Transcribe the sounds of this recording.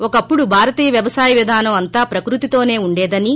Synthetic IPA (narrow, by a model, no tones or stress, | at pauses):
ɔkɐpːuɽubʱaːɾɐt̪iːjɐʋjɐʋɐsaːjɐʋid̪ʱaːnɐmɐnt̪aːpɾɐkɾut̪it̪o̞ːne̞ːuɳɖɛːd̪ɐni